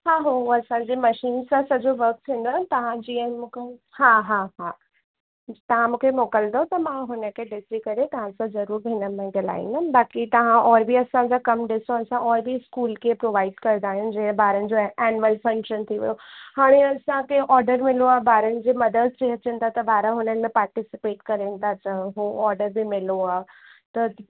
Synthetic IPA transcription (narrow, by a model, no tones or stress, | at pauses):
ɦaːɦoɐsãɲd͡ʑemɐʃiːnsãsɐd͡ʑoʋɐɾk̚t̪ʰĩːn̆d̪ont̪ɐʋ̤ãd͡ʑiːəmũkʰe | haːɦaɦa | t̪ɐʋ̤ãmũːkʰemoːkəld̪ot̪ɐmãɦʊnə̆kʰeɖɪsikɐɾet̪ɐʋ̤ãsãzɐɾuːɾbʱɪnəmẽɡɐla̰ːḭ̃ndəbaːkit̪ɐʋ̤ãʔɔːɾbʱiɐsãɲd͡ʑakɐmɖɪsoɐsãʔɔːɾbʱiskuːlkʰepɾoːʋaːɪɖkɐɾnd̪aːɦijũd͡ʑɐ̃ɦbaːɾənɪ̆d͡ʑoɛːnməlfɐ̃ŋkʃənt̪ʰiʋɐ̰johaːɽ̃ẽɐsãkeʔɔːɾɖəɾmɪloaːɦbaːɾənɪ̆d͡ʑiːmɐd̪əd̪t͡ɕeɦɐt͡ɕənɪt̪ʰat̪ɐbaːɾə̃ɦʊnənɪ̆mẽpaːɾʈɪsɪpeːʈkɐɾent̪ʰat͡ɕəɦuɔːɾɖəɾbʱɪmɪloaː | t̪ɐ